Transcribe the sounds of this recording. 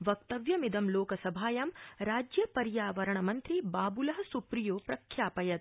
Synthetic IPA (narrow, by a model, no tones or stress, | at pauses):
ʋɐk̚t̪ɐʋjɐmid̪ɐmloːkɐsɐbʱaːjɐmɾaːd͡ʒjɐpɐɾjaːʋɐɾɐɳɐmɐnt̪ɾibaːbulɐɦɐsupɾijoːpɾɐkʰjaːpɐjɐt̪̚